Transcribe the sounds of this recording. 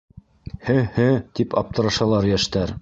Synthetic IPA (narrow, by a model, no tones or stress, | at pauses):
hɘhɘt̪ipɑp̚t̪ɤ̆ɾɑʃɑlˠɑɾjæʃt̪æɾ